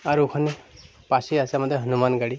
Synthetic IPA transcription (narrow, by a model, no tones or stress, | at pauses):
aɾukʰʌni | pasiasamʌd̪ʱːeɦʌnumanɡaɽi